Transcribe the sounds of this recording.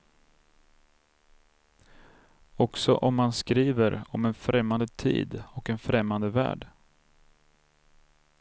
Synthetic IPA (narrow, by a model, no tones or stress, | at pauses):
ɔksɔ̰ʔɔmːanskɾiːvəɾɔmɛnfɾɛmːand̪ət̪ʰḭːd̪ɔkɛnfɾɛmːand̪əvæ̰ːɖ